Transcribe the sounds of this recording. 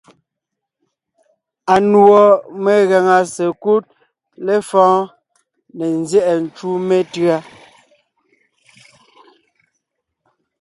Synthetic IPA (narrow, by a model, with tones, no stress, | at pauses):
a˨nwɔ˨me˨ɣɛ˨ŋa˨se˨ku˦t̚ | le˦fɔ̃ː˦ | nɛ˨n˦zjɛ˦˨ʔɛ˨n̩˨t͡ʃu˦me˦tɰa˦